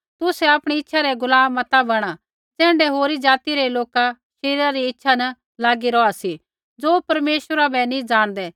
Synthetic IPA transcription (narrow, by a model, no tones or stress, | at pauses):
t̪ʊsɛapɽ̃iɪtːʃʰaɾɛɡʊlaːmːɐt̪abɐɽ̃a | t͡sɛ̃ːɳɖɛɦoːɾid͡zaːt̪iɾɛloːka | ʃeːɾɾaɾiɪtːʃʰanɐ | laːɡiɾɔasi | d͡zoːpɐɾmeːʃwəɾabɛnĩd͡ʒaːɽ̃d̪ɛ